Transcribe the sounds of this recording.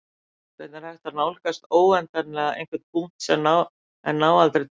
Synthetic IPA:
vɛt̪naɾ̥hajht̪anaːwlɛkast̪oːwɛnt̪anlɛɣaḛjnkvɛɾ̥t̪̚pun̥t̪sɛmna | ɛ̰nːaːwalt̪ɾɪ

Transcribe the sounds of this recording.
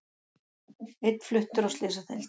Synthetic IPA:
et̪flʏht̪ʏɾawst̪lɪːsaθɛ̰l

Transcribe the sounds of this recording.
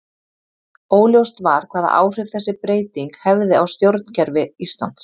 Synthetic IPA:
oːwljowst̪vaɾ̥kʰv̥aːða̰ʔa̰ːwr̥ɪjfθɛsːɪpɾeːjt̪iŋkhɛvðɪawst̪jowɾt̪̚ncɛɾvɪist̪la̰nt̪s

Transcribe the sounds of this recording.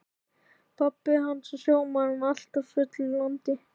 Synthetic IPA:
pʰapːɪɦansɔsjoːwmanʏmal̥t̪avfʏt̪llɔnt̪ɪ

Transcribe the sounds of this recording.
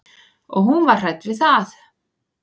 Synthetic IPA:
ɔɣɦunvaɾ̥r̥ajt̪vɪðθaθ

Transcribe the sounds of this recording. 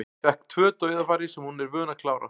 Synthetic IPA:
ɪvɛhkt̪ʰvœːt̪œːɥðafaɾɪsɛmhunɛɾvœːnakʰlaːwɾa̰

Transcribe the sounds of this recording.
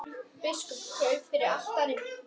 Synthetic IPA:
pɪskɔpkʰœːɥfɪɾɪɾal̥t̪aɾɪn

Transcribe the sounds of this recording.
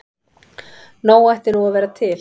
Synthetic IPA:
noːwajht̪ɪnuavɛːɾat̪ʰɪl

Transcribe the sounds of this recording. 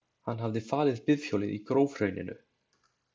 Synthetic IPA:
hanːɦavðɪfaːlɪðpɪðfjoːwlɪðikɾoːwvɾœːɥnɪ̰nʏ̰

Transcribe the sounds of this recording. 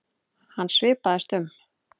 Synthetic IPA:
hanːsvɪːpaðɪst̪ʏm

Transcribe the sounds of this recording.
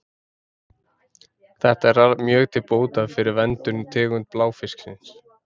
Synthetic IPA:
θɛht̪aɛɾamjœːɣt̪ʰɪlpoːwt̪aðfɪɾɪɾvɛnt̪ʏɾnt̪ʰɛːɣʏnt̪̚plaːwfɪsksɪns

